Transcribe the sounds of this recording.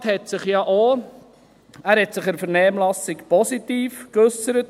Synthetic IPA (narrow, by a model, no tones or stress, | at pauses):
thɛtsɪχjɑʔo | æːɾhɛtsɪχɛɾfɛəɾnɛːmlɑsɪkpɔsitiːfkɵsəɾət